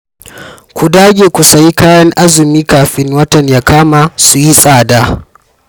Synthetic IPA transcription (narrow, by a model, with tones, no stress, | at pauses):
kʷu˨daː˦ɡʲeː˨kʷu˨sa˨ji˦kaː˦jɐ˦ŋʔa˦zɪ˨miː˦kaː˨ɸɪ˦ŋwɐ˦tɐ˨ɲjaː˦kaː˦ma˨su˨ji˦sʼaː˦˨daː˦